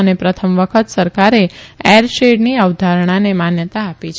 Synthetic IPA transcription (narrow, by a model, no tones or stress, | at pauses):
ənepɾət̪ʰəmʋəkʰət̪səɾkaɾeeɾʃeɖniəʋd̪ʱaɾɳ̃anemanjət̪aːpit͡ʃʰ